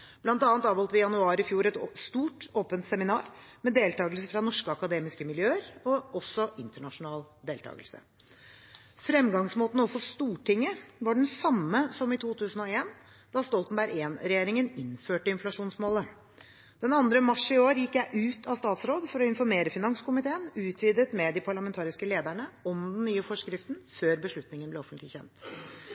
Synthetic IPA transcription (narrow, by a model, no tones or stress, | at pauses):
b̥lɑnt̪ɑːnt̪ɑːʋɔlt̪əʋɪjɑnʉɑːɾɪfjuːɾɛt̪st̪uːʈoːpənt̪sɛmɪnɑːɾmɛd̪eːlt̪ɑːɡəlsəfɾɑnɔʂkəɑkɑd̪eːmɪskəmɪljøːəɾɔɔsːɔʔɪnt̪əɳɑʂʊnɑːld̪eːlt̪ʰɑ̰ːɡəlsə̰ | fɾɛmːɡɑŋsmoːt̪ən̩ɔfɔst̪uːʈɪŋːəʋɑɖɛnsɑmːəsɔmɪt̪ʰuːt̪ʰʉːsn̩ɔeːn | d̪̥ɑst̪ɔlt̪nbæɾʔeːnɾɛjeːɾɪŋənɪnføːʈəɪnflɑʂuːnsmoːlə | d̪̥ɛnɑnd̪ɾəmɑʂɪoːɾjɪkːjæɪʔʉːt̪ʰɑst̪ɑːt̪sɾoːd̪fɔɾɔɪnfɔɾmeːɾəfɪnɑŋskʊmɪt̪ʰeːənʉːt̪ʰʋiːd̪ət̪mɛd̪ɪpʰɑɭɑmɛnt̪ʰɑːɾɪskəleːd̪æɳəɔmd̪nnyːəfɔʂkɾɪft̪n̩føːɾbəʂɭʉt̪nɪŋənb̪ɛɔfənt̪lɪçɛ̰nt̪